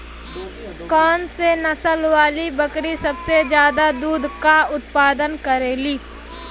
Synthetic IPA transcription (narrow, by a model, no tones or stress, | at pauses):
kɔːnsenɐsəlwaːlibəkɾisɐbsed͡ʒjaːd̪ad̪uːd̪ʱkaʊt̪paːd̪ənkəɾeːliː